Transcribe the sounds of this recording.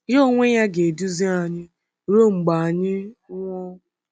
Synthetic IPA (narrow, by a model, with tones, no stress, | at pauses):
jo˦˨ŋʷe˦ja˦ɡe˨du˦zi˦a˨ɲɪ˦ | ɾo˦ŋ͡m̩˨ɡ͡ba˨a˨ɲɪ˦ŋʷɔ˦